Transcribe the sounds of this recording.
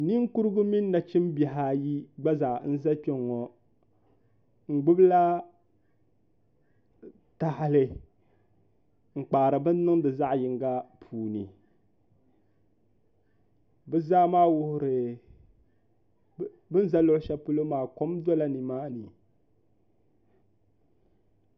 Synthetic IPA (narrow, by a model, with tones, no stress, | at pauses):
ni˦ŋ˦ku˦ɾɨ˦ɡʊ˦mi˦nː˦a˨t͡ʃɪ˦mbjɛ˨ɦa˨ji˦ɡ͡ba˦za˨n̩˦za˦k͡pɛ˦ŋːɔ˨ | ŋ̩˨ɡ͡bʊ˦bla˦ | ta˨hlɨ˨ | ŋ͡m̩˨k͡paː˨ɾɨ˨bɨ˦n˦nɨ˦ŋdɨ˨za˦ʔjɪ˨ŋɡa˦pʰuː˨nɨ˨ | bɨ˦zaː˦maː˦wʊ˦hʊ˨ɾɨ˨ | bɨ˦n˦za˦lo˦ʔʊ˦ʃa˦pɨ˦lo˦maː˨ko˦mdɔ˦la˦ni˨maː˦nɨ˨